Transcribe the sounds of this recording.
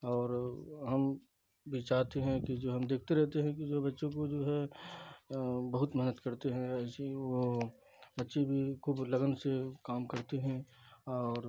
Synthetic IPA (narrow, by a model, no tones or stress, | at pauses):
ɔːɾɦɐm | bʱit͡ʃaːɦt̪eɦɛ̃kid͡ʒoːɦɐmd̪eːkʰt̪eɾɛɦt̪eɦɛ̃kid͡ʒoːɦɛbɐtːʃõkod͡ʒoːɦɛ | bɐɦʊt̪mɛɦnət̪kɐɾt̪eɦɛ̃ɛːseʋo | bɐtːʃebʱikuːblɐɡənsekaːmkɐɾt̪eɦɛ̃ | ɔːɾ